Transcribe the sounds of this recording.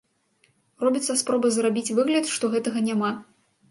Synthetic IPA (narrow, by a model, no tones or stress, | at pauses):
rɔbʲit̪sːɐspɾɔbɐzrabʲit͡sʲvɨɣlʲɐt̪ʂt̪ɔɣɛt̪ɐɣɐnʲama